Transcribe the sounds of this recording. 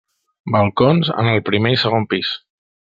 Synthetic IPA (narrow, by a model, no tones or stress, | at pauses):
bəlˠkonzə̰nəlˠpɾimeisəɣ̞ompis